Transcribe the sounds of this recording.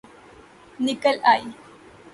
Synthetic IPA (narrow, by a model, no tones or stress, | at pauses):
nɪkːɐlaj